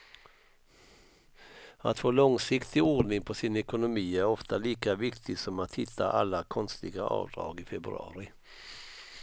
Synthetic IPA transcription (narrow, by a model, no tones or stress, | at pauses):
a̰t̪foːlɔŋsɪkt̪ʰɪoːɖnɪŋpʰɔsɪnɛkʊnʊmiːæɾɔft̪ʰaliːkavɪkt̪ʰɪsɔmat̪hɪt̪ʰːa̰ʔalːakʰɔnst̪ɪɡaʔɑ̰ːvd̪ɾɑ̰ːɡɪfɛbɾɵ̰ɑ̰ːɾɪ